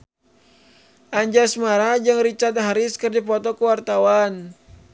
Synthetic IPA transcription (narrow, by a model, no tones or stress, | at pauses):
ʔaɲd͡ʒasmaɾad͡ʒaŋrit͡ʃat̪̚ɦaɾɪskɨrdipɔt̪ɔkuwart̪awan